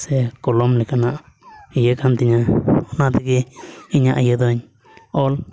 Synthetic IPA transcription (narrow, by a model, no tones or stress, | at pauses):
sekolomlikanãʔ | ijəkant̪iɲãonãt̪ekiiɲãʔjəd̪oɲ | ol